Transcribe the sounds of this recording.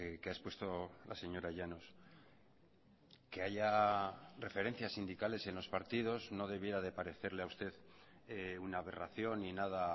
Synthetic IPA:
keaespwe̞st̪o̞lase̞ɲo̞ɾaʝanos | ke̞aʝa | re̞fe̞ɾe̞n̟θjasind̪ikale̞se̞nlo̞spaɾt̪iðo̞zno̞ðe̞β̞je̞ɾaðe̞paɾe̞θe̞ɾle̞aust̪e̞ðeunaβe̞raθjo̞nːinað̞a

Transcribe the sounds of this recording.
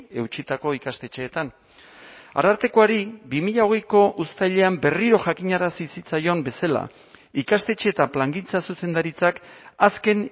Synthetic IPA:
e̞wt͡ʃit̪ako̞ikast̪e̞t͡ʃe̞ːt̪an | a̰ɾaɾt̪e̞ko̞aɾibimiʎao̞ɣ̞e̞jko̞ʔust̪ajʎe̞ambe̞riɾo̞ʝakiɲaɾasisit͡sajo̞mbe̞sala̰ | ikast̪e̞t͡ʃe̞ːt̪aplaŋɡint͡sasuse̞nd̪aɾit͡sakaske̞n

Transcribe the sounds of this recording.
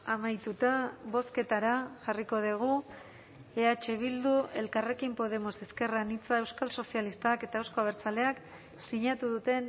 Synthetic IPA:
amajt̪ut̪aβo̞ske̞t̪aɾaʝariko̞ð̞iɣ̞u | eat͡ʃe̞β̞ild̪ue̞lkare̞kimpo̞ð̞e̞mo̞seske̞ranit͡saewskalso̞sialist̪ake̞t̪aewsko̞aβ̞e̞ɾt͡sale̞ak | siɲat̪uðut̪e̞n

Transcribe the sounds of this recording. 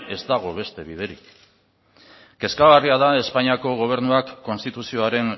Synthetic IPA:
e̞zd̪aɣ̞o̞β̞e̞st̪e̞β̞ið̞e̞ɾḭk | ke̞skaɣariaðae̞spaɲiako̞ɣ̞o̞β̞e̞ɾnuakːo̞nst̪it̪usio̞aɾe̞n

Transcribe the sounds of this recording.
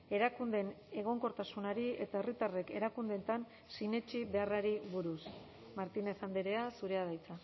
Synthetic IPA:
e̞ɾakund̪e̞ne̞ɣ̞o̞ŋko̞ɾt̪asunaɾie̞t̪ae̞rit̪are̞ke̞ɾakund̪ent̪an | sine̞t͡ʃiβe̞araɾiβuɾus | maɾt̪ine̞θand̪eɾe̞asuɾe̞að̞ajt͡sa

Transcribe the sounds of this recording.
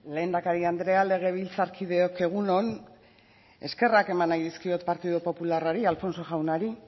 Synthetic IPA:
le̞ːnd̪akaɾiand̪ɾe̞ale̞ɣ̞e̞βilt͡saɾkʰiðe̞oke̞ɣ̞uno̞n | e̞ske̞rake̞manajðiskio̞t̪paɾt̪iðupo̞pularaɾialfo̞nso̞ʝawnaɾi

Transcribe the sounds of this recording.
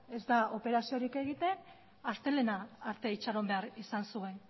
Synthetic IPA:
e̞zd̪ao̞pe̞ɾasio̞ɾike̞ɣ̞it̪e̞n | ast̪e̞le̞naːɾt̪e̞it͡ʃaɾo̞mbeaɾisansue̞n

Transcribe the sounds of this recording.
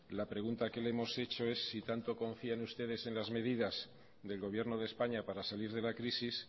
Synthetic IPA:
lapɾe̞ɣunt̪ake̞lemo̞se̞t͡ʃo̞e̞sːit̪ant̪o̞ko̞ɱfianust̪e̞ð̞e̞se̞nlazme̞ðiðaz̥ | ðe̞lɣo̞β̞je̞ɾnoð̞e̞spaɲapaɾasaliɾðe̞lakɾisis

